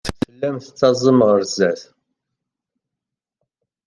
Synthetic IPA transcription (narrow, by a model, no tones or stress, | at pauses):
θəlːæmθət͡sːɑzˤəmʁəɾzæθ